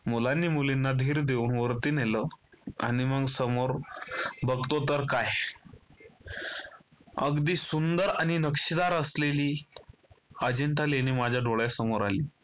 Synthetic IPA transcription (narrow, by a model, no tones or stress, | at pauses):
mulanːiːmulinːad̪ʱiːɾd̪euːnʋəɾt̪iːneləa̰ñiməɡsəmoɾbəɡt̪ot̪əɾkaj | ə̰ɡd̪iːsund̪əɾañinəkɕəd̪aɾəsleliː | əd͡ʑənt̪ʰaleniːmad͡ʑʱaɖʱoɭjasəmoɾa̰liː